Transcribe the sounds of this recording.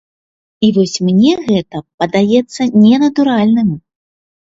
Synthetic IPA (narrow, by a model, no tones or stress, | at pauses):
ivɔsʲmnʲɛɣɛt̪ɐpɐd̪ajɛt̪sːɐnʲɛnɐt̪uɾalʲnɨm